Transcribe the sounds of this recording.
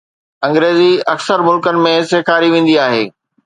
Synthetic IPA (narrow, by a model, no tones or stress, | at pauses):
ɐ̃ŋɡɾeːziɐksəɾmʊlkənɪ̆mẽseːkʰaːɾiʋẽːn̆d̪iaːɦeː